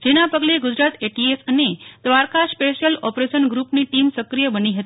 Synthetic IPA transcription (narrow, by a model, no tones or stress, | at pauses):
d͡ʒenapəɡleɡʊd͡ʒɾat̪eʈiesəned̪̥ʋaɾkaspeʃəlɔpɾeʃənɡɾupniʈimsəkɾijəbəniɦət̪ii